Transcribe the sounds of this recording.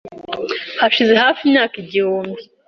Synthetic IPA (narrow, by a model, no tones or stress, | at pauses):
haʃizeɦaːfimɲaːkiɟihuːmbi